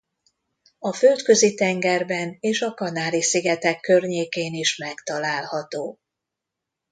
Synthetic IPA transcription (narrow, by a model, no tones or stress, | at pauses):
ɒfølt̪kø̞zit̪ɛŋɡɛrbɛneːʃɒkɒnaːlisiɡɛt̪ɛkːø̞rɲeːkeːniʃmɛkt̪ɒlaːlhɒt̪oː